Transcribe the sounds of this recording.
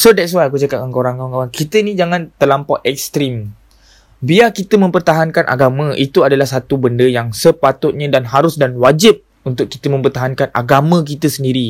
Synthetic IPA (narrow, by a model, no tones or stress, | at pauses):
sodɛts̬wajk̬ud͡ʒakaaŋkoɾaŋkaaŋkaɾaŋkit̪ənid͡ʒaŋãnt̪əlampɔʔ̪ɛk̚st̪ɾim | biakit̪əmə̃mpərt̪aɦankanʔa̰ɡamə̃ʔit̪uadalahsat̪ubəndəjaŋsəpat̪ʊt̪̚ɲãdanɦaɾʊsdanwad͡ʒɪp̚ | unt̪ʊkːit̪əmə̃mpərt̪aɦankana̰ɡamə̃k̬it̪əsəndiɾi